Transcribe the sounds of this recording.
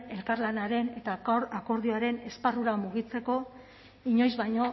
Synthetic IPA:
e̞lkaɾlanaɾe̞ne̞t̪aako̞ɾð̞ioaɾe̞ne̞sparuɾamuɣit͡se̞ko̞ | iɲo̞jzβajɲo̞

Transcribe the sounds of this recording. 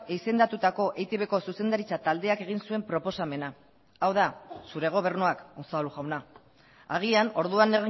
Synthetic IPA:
eise̞nd̪at̪ut̪ako̞ʔejt̪eβe̞ko̞suse̞nd̪aɾit͡sat̪ald̪e̞ake̞ɣ̞insue̞mpɾo̞po̞same̞na | awðasuɾe̞ɣ̞o̞β̞e̞ɾnuakonsaluʝawna | a̰ɣ̞iano̞ɾðuanːeɣi

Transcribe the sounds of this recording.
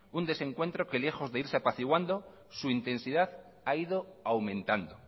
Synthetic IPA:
und̪e̞sẽ̞ŋkwe̞nt̪ɾo̞ke̞le̞xo̞zðe̞iɾsapaθiɣwand̪o | suint̪e̞nsiðað | aiðoawmẽ̞nt̪and̪o

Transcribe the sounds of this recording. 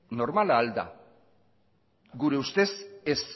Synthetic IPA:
no̞ɾmalaːld̪a̰ | ɡuɾe̞ust̪e̞ses

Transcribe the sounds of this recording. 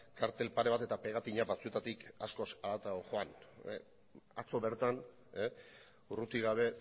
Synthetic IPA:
kaɾt̪e̞lpaɾe̞β̞at̪e̞t̪ape̞ɣat̪iɲabat͡sue̞t̪at̪ikasko̞salat̪aoxoan̰ | at͡so̞βe̞ɾt̪an | e | urut̪iɣ̞aβ̞e̞

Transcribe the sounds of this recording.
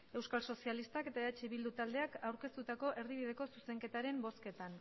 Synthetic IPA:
e̞wskalso̞sialist̪ake̞t̪aeat͡ʃiβild̪ut̪ald̪e̞akawɾke̞st̪ut̪ako̞ʔe̞ɾðiβ̞iðe̞ko̞suse̞ŋke̞t̪aɾe̞mbo̞ske̞t̪an

